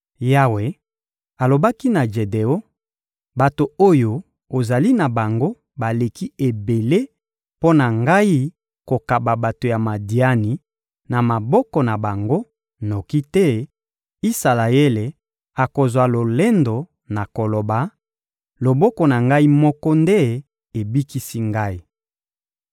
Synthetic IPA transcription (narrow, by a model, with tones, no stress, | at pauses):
ja˦we˨ | a˨lo˨ba˦ki˦na˨ʒe˨de˨o˦ | ba˨to˨o˦jo˨ | o˨za˨li˦na˨ba˨ŋɡo˦ | ba˨le˨ki˦e˨be˨le˦ | po˦na˨ŋɡa˦i˦ | ko˨ka˨ba˨ba˨to˨ja˨ma˨di˨a˦ni˨ | na˨ma˨bɔ˦kɔ˨na˨ba˨ŋɡo˦ | no˨ki˦tɛ˦ | i˦sa˨la˨e˦le˨ | a˨ko˨zwa˨lo˨le˦ndo˨ | na˨ko˨lo˨ba˨ | lo˨bɔ˦kɔ˨na˨ŋɡa˦i˦mɔ˦kɔ˦nde˦ | e˨bi˦ki˦si˦ŋɡa˦i˦